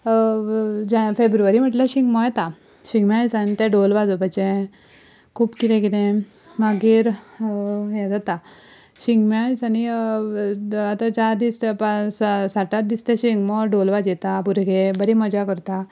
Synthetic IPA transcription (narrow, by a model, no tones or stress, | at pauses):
d͡ʑafebɾuʋaɾim̤əʈlaɕiŋɡmɔjɛt̪a | ɕiŋɡmajt͡sanit̪ɛ̃ɖolʋad͡zɔpat͡ɕẽ | kʰuːpkit̪ɛ̃kit̪ẽ | maɡiːɾ | jɛd͡zat̪a | ɕiŋɡmjajt͡sani | at̪at͡ɕaɾd̪ispasaʈat̪d̪ist̪ɛ̃ɕiŋɡmɔɖolʋad͡ʑɛt̪apuɾɡebəɾiməd͡ʑakəɾt̪a